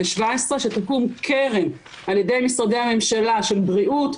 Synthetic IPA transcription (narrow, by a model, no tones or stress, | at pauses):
eʃvaesʁe̞ʃet̪akumkʰeʁe̞m | alje̞d̪e̞jmisʁad̪ejhame̞mʃalaʃe̞lbʁiʔut